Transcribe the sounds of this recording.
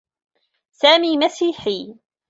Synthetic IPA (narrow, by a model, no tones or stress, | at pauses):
saːmiːmasiːħiː